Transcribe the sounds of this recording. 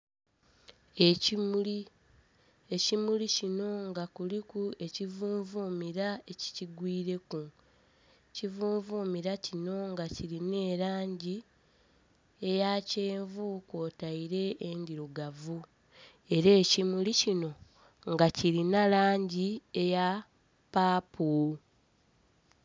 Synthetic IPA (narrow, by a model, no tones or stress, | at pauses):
ei | e̞cimulicino̞ŋɡakulikue̞civuːɱvuːmiɾae̞ci̥ciɡwiːɾe̞ku | civuːɱvuːmiɾacino̞ŋɡaciɾine̞ːɾaːɲɟi | e̞jaceːɱvuko̞ːtaiɾe̞ʔːndiɾuɡavu | e̞ɾe̞ːcimulicino̞ | ŋɡaciɾinalaːɲɟie̞ja | paːpʰu